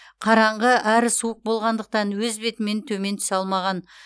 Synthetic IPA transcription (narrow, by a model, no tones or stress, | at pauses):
qʰɑɾɑɴʁəʔæɾɪsuəq̚bo̞lˠʁɑnd̪əq̚t̪ɑnwɵzbe̞t̪ɪme̞nt̪ʰɵme̞nt̪ʰʏ̥sɑlˠmɑʁɑn